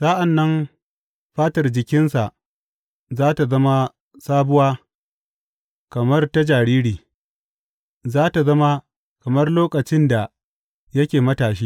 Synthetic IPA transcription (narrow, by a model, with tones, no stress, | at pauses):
sa˦ʔa˨nːɐ˦m | ɸaː˦tɐ˨rd͡ʒɪ˨kʲɪ˦nsa˨ʔ | zaː˦ta˨zɐ˦ma˦ | saː˦bʊ˦waː˦ | kɐ˨mɐ˦rta˦d͡ʒaː˨ɽiː˦ɽiː˨ | zaː˦ta˨zɐ˦ma˦ | kɐ˨mɐ˦rloː˦kʼɐ˨t͡ʃɪ˦nda˨ | jɐ˦kʲeː˨mɐ˦taː˨ʃ̬iː˦